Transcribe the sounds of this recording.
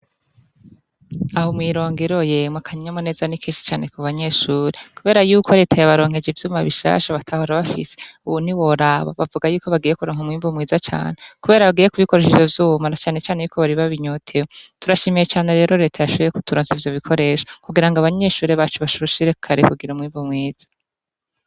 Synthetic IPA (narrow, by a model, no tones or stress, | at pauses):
ahomwiːɾo̞ːŋɡeɾo̞jemwakʰaɲiɲamone̞ːzanikʰiːnʃi̥t͡ʃaːne̞kuβaɲe̞ʃuːɾekuβe̞ːɾajuːkʰo̞ɾe̞ːtʰajaβaɾo̞ːŋhe̞d͡ʒivjuːmaβiʃa̰ːʃaβatʰahoɾaβafḭse̥uβun̥iwoɾaβa̰βavuɡajuːko̞βaɡiːjekuɾoːŋ̥umwiːmvumŋiːzat͡ʃa̰ːne̞kuβe̞ːɾaβaɡiːjekuβiko̞ɾe̞ʃed͡ʒovjuːmanat͡ʃaːne̞t͡ʃaːne̞juːko̞βaɾiβaβiɲotʰewotuɾaʃemejet͡ʃaːne̞ɾe̞ːɾo̞ɾe̞ːtʰajaʃoβejeku̥tuɾoːnzivjoβikʰo̞ɾe̞ʃḁkuɡiɾaŋɡaβaɲeʃuːɾeβat͡ʃuβaʃuɾuʃiɾekʰaɾekuɡiɾumwiːɱvumŋeːz̥ḁ